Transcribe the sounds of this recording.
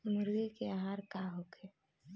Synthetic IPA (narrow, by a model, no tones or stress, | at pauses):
mʊɾwikeaɦaːɾkaɦokʰe